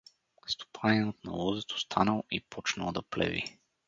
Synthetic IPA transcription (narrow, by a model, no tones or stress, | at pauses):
st̪o̥pʰaniot̪nɐ̰lˠɔzɛt̪ʰo̥st̪ʰanəlˠipʰɔt͡ʃnə̰lˠd̪ɐplɛ̰vḭ